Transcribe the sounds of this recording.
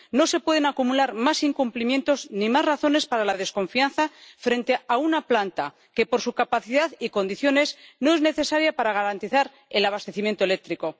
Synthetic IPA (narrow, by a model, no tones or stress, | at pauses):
nose̞pwe̞ð̞e̞nakumulaɾmasiŋkumplimje̞nt̪o̞znimazraθo̞ne̞spaɾalaðe̞sko̞ɱfianθafɾe̞nt̪e̞aunaplant̪a | ke̞po̞ɾsukapaθiðaðiko̞nd̪iθjo̞ne̞sno̞e̞zne̞θe̞saɾjapaɾaɣ̞aɾant̪iθaɾ | elaβ̞ast̪e̞θimje̞nt̪oe̞lek̚t̪ɾiko̞